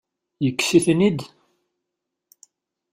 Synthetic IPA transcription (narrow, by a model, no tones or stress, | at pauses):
jəkːsiθnid̪